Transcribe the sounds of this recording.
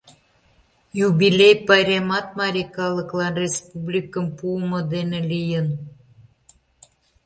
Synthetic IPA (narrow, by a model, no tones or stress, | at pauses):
jubilʲejpɑɾʲemɑt̪̚mɑɾʲikɑləklɑnrʲespublʲikəmpuəmod̪enelijən